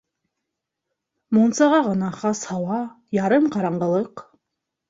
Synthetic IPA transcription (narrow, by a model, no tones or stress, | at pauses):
munsɑʁɑʁɤ̆nɑχɑshɑwɑ | jɑɾɤmqɑɾɑɴɢɤ̆lˠɤq